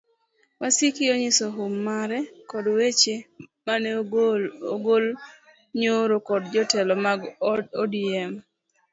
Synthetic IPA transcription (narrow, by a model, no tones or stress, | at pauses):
wasikɪoɲɪsɔɦʊmːaɾɛkɔdwet͡ʃemanɛooɡol | ɲoɾokɔdd͡ʒɔtɛlɔmaɡodiɛm